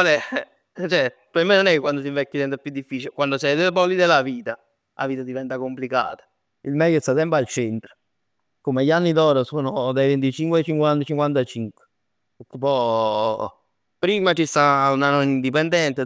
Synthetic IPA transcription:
alɛ | t͡ʃɛ | amːenonɛkːkwand̪os̬iɱvɛkːasɛnt̪ɾapjud̪ːifːiːt͡ʃilekwand̪osɛjd̪elepɔlːid̪elaviːt̪a | lʔa̰viːt̪ad̪ivɛnt̪akomplika̰ːt̪ḁ | ilmɛjːost̪at̪ɛmpoalt͡ʃɛnt̪ɾo | komeʎanːid̪ɔːɾasoːnod̪ajvent̪it͡ʃiŋkweat͡ʃiŋkwant̪t͡ʃiŋkwant̪at͡ʃiŋkwe̥ | ut̪ːopɔ | pɾiːmat͡ʃist̪aunanonind̪ip̬end̪ɛnt̪e

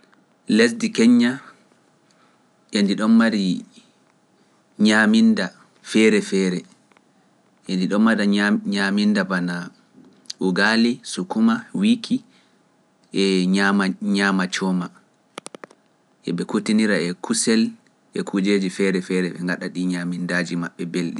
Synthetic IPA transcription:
lesdikɛɲːa | ʔendiɗɔnmaɾi | ɲaminda | fɛɾɛfɛːɾɛ | ʔendiɗɔmmaɾaɲamindabana | ʔuɡalisukumawikʰi | ʔɛamaɲamat͡ʃɔma | ʔɛ̰ɓɛkutiniɾaɛkʰusɛl | ʔɛkʰud͡ʒed͡ʒifɛɾɛfɛɾɛɓɛ̰ŋɡaɗaɗiɲamindaːd͡ʒimaɓːɛbelɗi

